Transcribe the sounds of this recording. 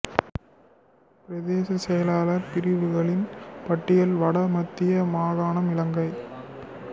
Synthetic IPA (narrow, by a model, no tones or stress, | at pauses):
pɪɾɐðeːsɐsɛjɐlaːlɐɾpɪɾɪʋɯɣɐɭɪnpɐʈːɪjɐlʋɐɽɐmɐt̪ːɪjɐmaːɣaːɳɐmɪlɐŋɡɐɪ